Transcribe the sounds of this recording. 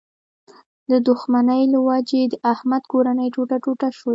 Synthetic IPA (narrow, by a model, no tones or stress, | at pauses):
d̪əd̪ʊxmanəjlwɑd͡ʒed̪əʔahmad̪koɾanəjʈoʈaʈoʈaʃwo